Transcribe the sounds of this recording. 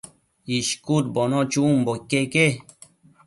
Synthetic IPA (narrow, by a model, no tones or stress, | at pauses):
iʃkuɾbonõt͡ʃumbokːeke